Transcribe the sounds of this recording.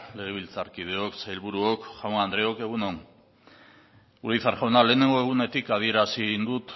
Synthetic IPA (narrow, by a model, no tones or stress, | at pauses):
le̞ɣ̞e̞β̞ilt͡saɾkið̞e̞o̞ksajlβuɾuokʝawnand̪ɾe̞o̞ke̞ɣ̞uno̞n | uɾiθaɾʝawnale̞ːne̞ŋɡoe̞ɣ̞une̞t̪ikað̞ie̞ɾasind̪ut̪